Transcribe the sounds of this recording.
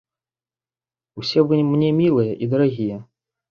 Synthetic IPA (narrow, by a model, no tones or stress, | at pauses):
wsʲɛvɨmnʲɛmʲilˠɨjɛʔid̪ɐɾaɣʲijɛ